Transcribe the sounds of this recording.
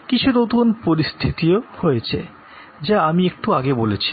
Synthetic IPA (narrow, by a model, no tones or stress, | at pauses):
kit͡ɕʰunot̪unpoɾist̪ʰit̪iohojet͡ɕʰḛ | d͡ʑaamiek̚ʈuaɡebolet͡ɕʰi̥